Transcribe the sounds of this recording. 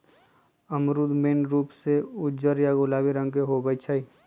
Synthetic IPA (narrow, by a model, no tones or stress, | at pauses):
əmɾud̪meːnɾuːpseʊd͡ʒəɾjaɡolaːbiɾə̃ŋɡkeɦobəjt͡ʃʰəi